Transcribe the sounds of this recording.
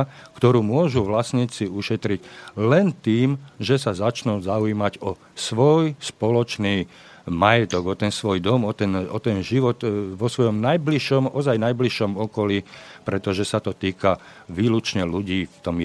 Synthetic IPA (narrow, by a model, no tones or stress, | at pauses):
kt̪ɔɾuːmʊɔʒuʋlasɲiːt͡siuʃɛt̪ɾiɟlɛnt̪iːmʒɛsazat͡ʃnuːzauiːmaɟɔ | sʋɔjspɔlɔt͡ʃniː | majɛt̪ɔɡɔt̪ɛnsʋɔjd̪ɔmɔt̪ɛnɔt̪ɛnʒiʋɔt̪ʋɔsʋɔjɔmnajbliʃɔmʔɔzajnajbliʃɔmɔkɔlipɾɛt̪ɔʒɛsat̪ɔt̪iːka | ʋiːlut͡ʃɲɛluɟiːft̪ɔm